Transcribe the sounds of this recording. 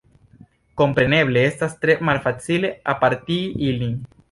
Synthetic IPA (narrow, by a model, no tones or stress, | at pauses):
ko̞mpɾeneβleest̪ast̪ɾemalfat͡sileapaɾt̪iiliŋ